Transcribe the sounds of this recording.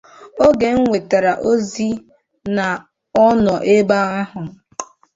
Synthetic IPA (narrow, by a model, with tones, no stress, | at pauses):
o˦ɡe˨ŋ̩˦ŋʷe˨ta˨ɾa˨ʔo˦zi˦ | na˨ | ɔ˦nɔ˨ʔe˦ba˦a˦ɦʊ˨